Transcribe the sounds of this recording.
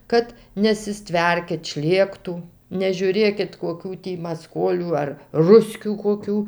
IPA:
ˈkɐt nʲɛsʲɪˈsʲtʲʋʲɛrʲkʲɪt ˈʃʲlʲeːktuː nʲɛʒʲuːˈrʲeːkʲɪt koːˈkʲuː tʲiː mɐˈskoːlʲuː ɐr ˈrʊsʲkʲuː koːˈkʲuː

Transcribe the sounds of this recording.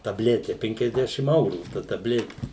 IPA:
tɐˈbʲlʲæːtʲɛ ˌpʲɛŋʲkʲɛzʲˈdʲæːʃʲɪm ˈɐʊruː tɐ tɐˈbʲlʲæːtʲɪ

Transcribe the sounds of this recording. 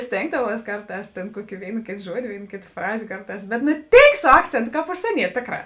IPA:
ˈsʲtʲeːŋɡdɐʋuɔs ˈkɐrˌtɑːs ˈtʲeːn ˈkuɔkʲɪ ˈʋʲeːɪn ˈkʲeːt ˈʒuɔdʲɪ ˈʋʲeːɪn ˈkʲeːt ˈfrɑːzʲeː ˈkɐrˌtɑːs bʲɛt nʊ ˈtʲeːɪk sʊ ˈɑːkt͡sʲeːntʊ ˈkɑːp ʊʃʲsʲiɛˈnʲiɛtʲ ˈtʲeːkˌrɑː

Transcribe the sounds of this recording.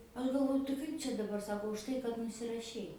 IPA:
ˈɐʃ ɡɐlˠˈʋoːjʊ tɐɪ ˈkɐɪp t͡ʃʲɛ dɐˈbɐr ˈsɑːkoː ʊʃˈtɐɪ kɐt nʊsʲɪrɐˈʃʲɛɪ

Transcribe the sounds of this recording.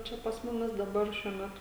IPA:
ˈt͡ʃʲɛ pɐs ˈmʊmʲɪs dɐˈbɐr ˈʃʲuɔ ˈmʲæːtʊ

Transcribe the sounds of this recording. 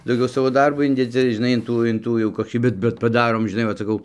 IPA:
dɐʊˈɡʲɛʊ ˈsɑːʋoː ˈdɐrboː ˈɪnʲdʲɛd͡zʲɪ ʒʲɪˈnɐɪ ɪn ˈtuː ɪn ˈtuː jɛʊ koːˈkʲiː ˈbʲɛt bʲɛt pɐˈdɑːroːm ʒʲɪˈnɐɪ ʋɐt sɐˈkɐʊ

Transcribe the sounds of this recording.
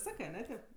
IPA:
ˈsɑːkɜ ɐˈnʲɛ ˈtʲeːp

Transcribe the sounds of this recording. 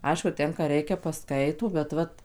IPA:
ˈɐɪʃkʊ ˈtʲɛn kɑː ˈrʲɛɪkʲɛ pɐˈskɐɪtoː bʲɛt ˈʋɐt

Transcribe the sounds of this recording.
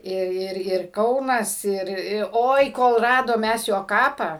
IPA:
ˈɪr ˈɪr ɪr ˈkɐʊnɐs ˈɪr ɪ ˈoːɪ ˈkoːlˠ ˈrɑːdoːm ˈmʲɛs ˈjoː ˈkɑːpɑː

